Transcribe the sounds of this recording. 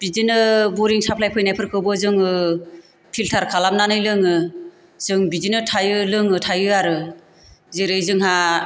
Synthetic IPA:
b̥izinɯbɔɾiŋsapʰlajpʰɯjnajpʰɯɾkʰɯwbɯzɯŋɯ | pʰiltʰaɾkʰalamnanɯjlɯŋɯ | z̥ɯŋbizinɯtʰajɯlɯŋɯtʰajɯaɾɯ | zeɾɯjzɯŋɦa

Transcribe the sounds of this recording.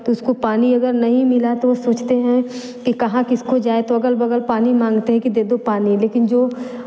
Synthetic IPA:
t̪oʊskopaːniɐɡəɾnɐɦĩmɪlat̪oʋosoːt͡ʃt̪eɦɛ̃ | kikɐɦãkɪskod͡ʒaːet̪oɐɡəlbɐɡəlpaːnimãːŋɡt̪eɦɛ̃kid̪eːd̪opaːnileːkɪnd͡ʒoː

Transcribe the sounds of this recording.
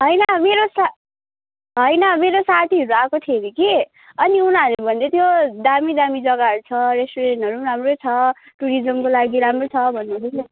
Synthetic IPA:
ɦʌjnʌmeɾosa | ɦʌjnʌmeɾosat̪ʰiʌɾuakot̪ʰieɾiki | ʌniunalbʱʌnd̪et̪jod̪amid̪amid͡zʌɡaʌɾut͡sʰʌɾesʈoɾeʈɦʌɾuɾamrot͡sʰʌ | ʈuɾid͡zʌmkolaɡiɾamrot͡sʰʌbʱʌnːut̪ʰesʰʌ

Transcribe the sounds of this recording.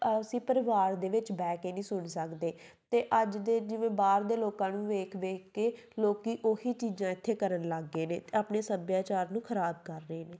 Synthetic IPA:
sĩːpəɾɪʋaːɾd̪eːʋɪt͡ʃbɛːkeːnĩːsʊɳsəkd̪eːt̪eːʔəd͡ʒd̪eːd͡ʒɪʋẽːbaːɾd̪eːloːkãːnũːʋeːkʰʋeːkkeːloːkiːʔoːhiːt͡ʃiːd͡ʒãːɪt̪ʰːeːkəɾənləɡːeːneːt̪eːaːpneːsəbjaːt͡ʃaːɾnũːkʰəɾaːb̚kəɾːəeːneː

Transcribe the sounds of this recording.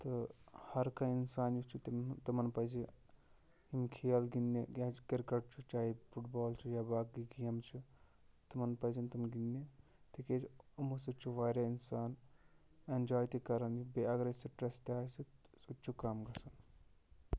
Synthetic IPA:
t̪ɨhɐɾkɐinsaːnjut͡ʃʰut̪imt̪ɐmɐnpɐzi | imkʰejɐlɡinijakɐɾkɐʈ̚t͡ʃʰut͡ʃaːipʰuʈbaːlt͡ʃʰujaːbaːkɡiɡijɐmt͡ʃʰut̪umɐnpɐzint̪umɡinːi | t̪ikemusut͡ʃʰuʋaːɾjainsaːn | end͡ʒaːjt̪ikɐɾɐnjubeɐɡɾesiʈɾɐst̪ʲaːsiutːt͡ʃʰukaːmɡɐsɐn

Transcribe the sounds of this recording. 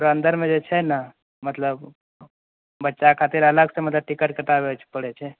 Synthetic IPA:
ɾoənd̪ʱəɾmed͡ʒet͡ʃʰɛnə | mət̪ləb | bətːʃakʰat̪iɾələɡsẽmət̪ləb̚ʈikəʈ̚kət̪abeot͡ʃʰɛ̥pəɽɛt͡ʃʰɛ

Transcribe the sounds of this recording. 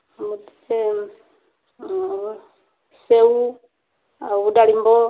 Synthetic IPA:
muti̥e | seu | aβudalimbɔ

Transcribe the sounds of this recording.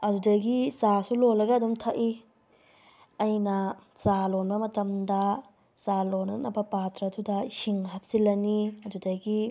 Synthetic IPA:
ɐdudɐɡisasulolɐɡɐːdumtʰaʔi | ɐjnɐsalonbɐmɐtɐmdɐ | salonɐ̰nɐbɐpatɾɐːdudɐsiŋɦɐp̚silɐniɐdudɐɡi

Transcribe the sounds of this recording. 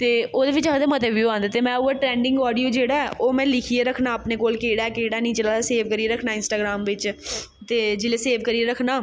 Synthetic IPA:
t̪eːoːd̪eːʋɪt͡ʃad̪eːmət̪əʋʋjiãːnd̪eːt̪eːmɛ̃ːuːeːʈɾɛ̃ːɳɖɪ̃ŋɡɔːɖijoːd͡ʒeːɽaːɛːʔoːmɛ̃ːlɪkʰieːɾəkʰnaːpneːkoːlkeːɽaːɛkeːɽaːnĩːt͡ʃəlaːd̪aːseːʋkəɾieːɾəkʰnaːɪnsʈaːɡɾaːmʋɪt͡ʃ | t̪eːd͡ʒɪleːseːʋkəɾieːɾəkʰnaː

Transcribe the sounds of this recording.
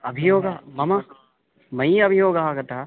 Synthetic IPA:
ɐbʱijoːɡɐmɐmɐ | mɐiɐbʱijoːɡɐaːɡɐt̪ɐɦɐ

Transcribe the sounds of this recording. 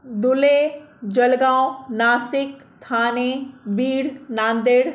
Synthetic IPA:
d̪ʊled͡ʒɐlɡãːnaːsɪkt̪ʰaːnebiːɽnãːnd̪eɽ

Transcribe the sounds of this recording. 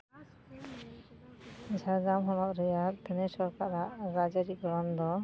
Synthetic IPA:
d͡ʒʱad͡ʒamɦɔnɔkɾɛjad̪ɛnɛsɔɾkʰaɾaʔɾad͡ʒaɾiɡɔɾɔnd̪ɔ

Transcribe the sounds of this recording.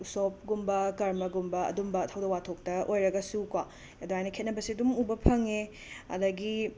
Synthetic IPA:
usop̚ɡumbɐkɐɾmɐɡumbɐɐ̰dumbɐtʰɐwdɐwatʰok̚tɐʔojɾɐɡɐsukwa | ɐduɦajnɐkʰet̚nɐbɐsiɐdumubɐpʰɐŋe | ɐ̰dɐɡi

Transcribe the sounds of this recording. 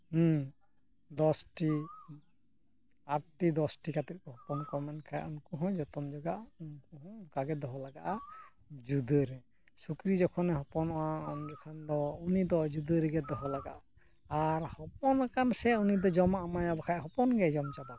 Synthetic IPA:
d̪ɔsʈi | aɾʈid̪ɔsʈikat̪ɛt̪̚kɔɦɔpɔnkɔmɛnkʰajaʔunkuɦɔ̃jd͡ʒɔt̪ɔmd͡ʒɔɡaʔunkukaɡɛd̪ɔɦɔlaɡa̰ʔa | d͡ʒud̪əɾɛ | sukɾid͡ʒɔkʰɔnɛɦɔpɔnɔʔaɔnɡɛkʰand̪ɔunid̪ɔd͡ʒud̪əɾɛɡɛd̪ɔɦɔlaɡa̰ʔaː | ɾhɔp̚ɔnakansɛunid̪ɔd͡ʒɔmaʔamajabakʰajɦɔpɔnɡɛd͡ʒɔmt͡ʃaba

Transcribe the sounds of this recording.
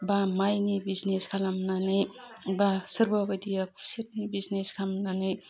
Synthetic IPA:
bamajnibizneskʰalamnanej | basəɾbabɐt̪ijakʰusɐt̚nibizneskʰamnanɯj

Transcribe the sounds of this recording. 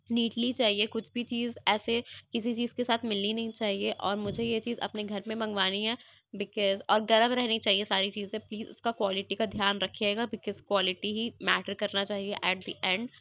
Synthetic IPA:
niːʈlit͡ʃaːɦiekʊt͡ʃʰbʱit͡ʃiːzɛːsekɪsit͡ʃiːzkesaːt̪ʰmɪlninɐɦĩt͡ʃaːɦieʔɔːɾmʊd͡ʒʱejet͡ʃiːzɐ̰pneɡʱɐɾmẽbɐ̃ŋɡʋaːniɦɛː | bɪkɔːzɔːɾɡɐɾəmɾɛɦnit͡ʃaːɦiesaːɾit͡ʃiːzẽpliːzʊ̰skakwaːlɪʈikad̪ʱjaːnɾɐkʰeːɡabɪkɔzkwaːlɪʈiɦimæːʈəɾkɐɾnat͡ʃaːɦieʔɛːʈ̚d̪iʔɛ̃ɳɖ

